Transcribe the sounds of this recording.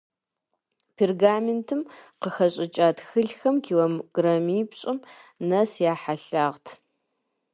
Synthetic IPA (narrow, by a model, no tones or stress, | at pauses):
pʰerɡaːmentʰɨmqəxɐɕʼɪt͡ʃʼaːtxɨɮxɐmkʰiwɐmɡ̥rɐmiːpɕʼɪmnɐsjaːħaɬaːʁtʰ